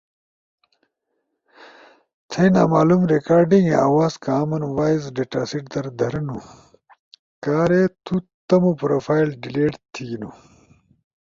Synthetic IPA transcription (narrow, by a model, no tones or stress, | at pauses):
t̪ʰɐjnaːmaːlumɾekaːɾɖĩŋɡeaːwaːzkaːmɐnwaːjzɖeʈaːsiʈd̪ɐɾd̪ʱɐɾɐnu | kaːɾet̪ut̪ɐmupɾoːfaːjlɖileːʈt̪ʰinu